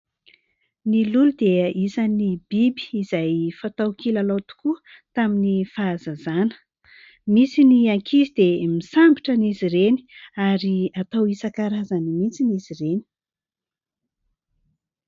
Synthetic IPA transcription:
nilulud̪eisanibibi̥ːzajfat̪awkilalawt̪u̥kuə | t̪aminifaːzazanə̥ | misiniakʰizid̪emisambiʈ͡ʂəniziɾeni̥aɾiat̪awisakaɾazanimit͡sinizireni̥

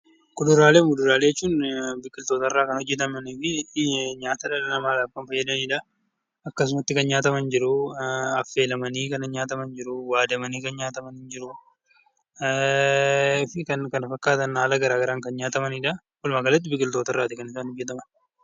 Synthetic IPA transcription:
kʊdʊɾaːleːmʊd̪ʊɾaːleːɛt͡ʃːuːnbɪkʼːɪlt̪o̞ːt̪ɐrːaːkɐnhɔd͡ʒːɛt̪̬ɐmɐniːfɪɲaːt̪ɐᶑɐlɐnɐmaːlaːfkɐnfɐjːɐd̪ɐniːᶑɐ | ɐkːɐs̬ʊmɐt̪ːɪkɐnɲaːt̪ɐmɐnd͡ʒɪɾʊɐfːe̞ːlɐmɐniːkɐnɐɲaːt̪ɐmɐnd͡ʒɪɾʊwaːd̪ɐmɐniːkɐnɲaːt̪ɐmɐnhɪnd͡ʒɪɾʊ | fɪkɐnkɐnɐfɐkːaːt̪ɐnhaːlɐɡɐɾaːɡɐɾaːŋkɐnɲaːt̪ɐmɐniːᶑɐ | fʊlmaːɡɐlɐt̪̬ːɪbɪkʼːɪlt̪o̞ːt̪ɐrːaːt̪ɪkɐnɪsaːnhɔd͡ʒːɛt̪̬ɐmɐn

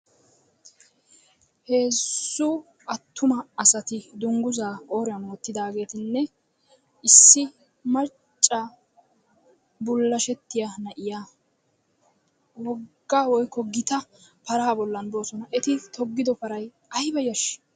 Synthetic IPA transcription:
he̞ːsːʊ | ɐt̪ːʊmɐɐsɐt̪ɪd̪ʊŋɡʊzaːo̞ːɾɪjɐnoːt̪ːɪd̪aːɡe̞ːt̪ɪnːɛ | ɪsːɪ | mɐ | t͡ʃʼːɐ | bʊlːɐʃɛt̪ːɪjɐnɐʔɪjaː | wɔɡːaːwɔjkːɔɡɪt̪ɐ | pɐɾaːbɔlːɐnbo̞ːsɔnɐʔɛt̪ɪt̪ɔɡːɪd̪ɔpɐɾɐj | ɐjbɐjɐʃ

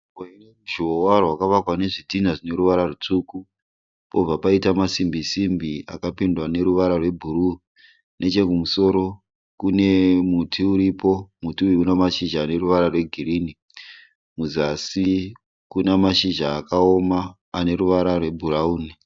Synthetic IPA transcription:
weinemuʒiowarwakaʋakwane̞ʐidʱinaʐine̞ɾuʋaɾarut͡ʂuku | po̞b͡vapaitamasimbisimbia̰kapindwane̞ɾuʋaɾarwe̞bʱuɾu | nʔe̞t͡ʃe̞kumuso̞ɾo̞ | kune̞mutʰiuɾipo̞mutiuiunamaʃiʒaːne̞ruʋaɾarwe̞ɡʱiɾiːni | muzasi | kunamaʃiʒaːkao̞maː | ne̞ɾuʋaɾarwe̞bʱurauːni

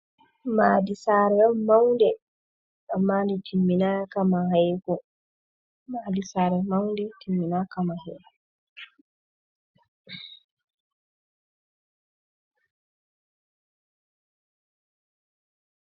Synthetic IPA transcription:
maːdisaːɾɛmawndɛ | ɗamːaːndɛtʰimːinakamaɦajɡɔ | maːdisaːɾɛmawndɛtʰimːinakamahɛɡɔ

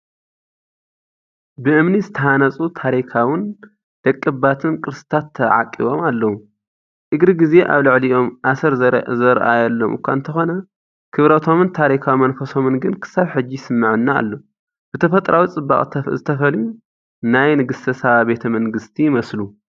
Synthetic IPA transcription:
bɨʔɨmnizɨt̪ʰɐhanɐt͡sʼut̪ʰaɾikʰawɨn | d̪̥ɐkʼːɨbat̪ʰɨnkʼɨɾɨsɨt̪ʰat̪ʰːɐʕa̰kʼːiβo̞malːɐwu | ʔɨɡɾɨɡize̞ʔa̰βlɨʕliʔo̞mʔasɐɾzɐɾʔajɐlːomʔɨ̰kʷa̰ɨnt̪ʰɐxo̞nɐ | kʰɨβɾɐt̪ʰo̞mɨnt̪ʰaɾikʰawimɐnfɐso̞mɨnɡɨnkʰɨ̥saβħɨd͡ʒːisɨmːɨʕɨnːaa̰lːo | b̥ɨt̪ʰɐfɐt̪ʼɾʔawit͡sʼɨbːa̰χʼt̪ʰzɨt̪ʰɐfɐlju | najnɨɡɨst̪ʰɐsaβabe̞t̪ʰɐmɐŋɡɨst̪ʰijɪmɐslu

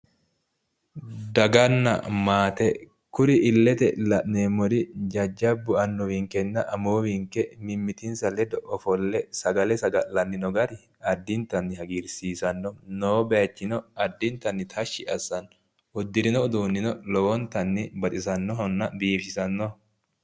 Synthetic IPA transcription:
d̪ɐɡɐnːɐ̰maːt̪ɛ | kʊɾɪʔɪlːɛt̪ɛlɐʔneːmːɔɾɪd͡ʒɐd͡ʒːɐbːʊɐnːɔwiŋkɛnːɐʔɐmoːwiŋkɛmɪmːɪt̪ɪnsɐlɛd̪ɔʔɔfɔlːɛsɐɡɐlɛsɐɡɐlɐnːɪnɔɡɐɾɪ | ɐd̪ːɪnt̪ɐnːɪhɐɡiɾsiːsɐnːɔnoːbɛɐt͡ʃːɪnɔɐd̪ːɪnt̪ɐnːɪt̪ʰɐʃːɪʔɐsːɐn | ʊd̪ːɪɾɪnɔd̪uːnːɪnɔlɔwɔnt̪ɐnːɪbɐt̪ʼɪsɐnːɔhɔnːɐbiːfsɪsɐnːɔ

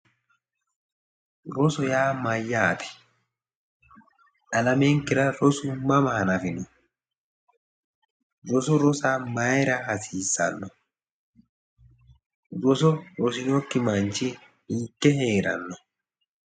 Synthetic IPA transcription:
ɾɔsɔjaːmɐjːaːt̪ɛ̥ | ʔɐlɐmeŋkːɪɾɐɾɔsʊmɐmɐhɐnɐfɪnɔ | ɾɔsɔɾɔsaːmɐjɾɐhɐsiːsːɐ̰nːɔ | ɾɔsɔɾɔsɪnɔkːɪmɐnt͡ʃɪ | iːkːɛheːɾɐ̰nːɔ

